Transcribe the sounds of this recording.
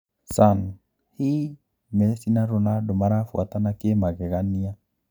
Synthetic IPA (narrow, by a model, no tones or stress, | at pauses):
san | hi | mɛsinaɾonadomaɾafwat̪anakemaɣɛɣania